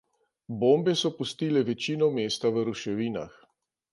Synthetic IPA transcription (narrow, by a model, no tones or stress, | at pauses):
boːmbɛsɔpust̪iːlɛʋɛt͡ʃiːnɔmeːst̪aʋəɾuʃɛʋiːna̰x